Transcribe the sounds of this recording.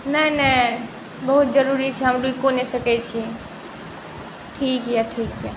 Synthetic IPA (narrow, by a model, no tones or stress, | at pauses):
nɐĩnɐ̃ | bəɦʊt̪̚d͡ʒəɾuːɾit͡ʃʰɛɦɐmɖuikonesəket͡ʃʰi | ʈʰiːkjaʈʰiːkja